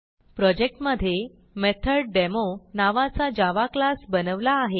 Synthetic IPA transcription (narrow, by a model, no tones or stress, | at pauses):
pɾɔd͡ʑek̚ʈməd̪ʱːje | met̪ʰəɾɖɖemonaʋat͡sad͡ʑaʋaklasbənəʋlaːɦe